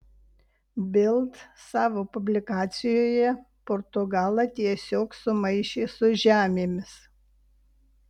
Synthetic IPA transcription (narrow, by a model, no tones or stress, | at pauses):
bʲɪlˠt̪sɑːʋoːpʊbʲlʲɪkɑːt̪sʲɪjoːjɛ | poɾt̪ʊɡɑːlˠɐt̪ʲiɛsʲoːksʊmɐɪʃʲeːsʊʒʲæːmʲeːmʲɪs